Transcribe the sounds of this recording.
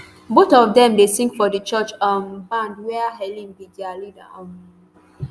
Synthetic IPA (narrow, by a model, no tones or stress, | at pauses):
botɔfdɛ̃mdesĩŋkfɔdət͡ʃɔt͡ʃambãndwɛaɦɛlĩŋbidialida̰ɔ̃m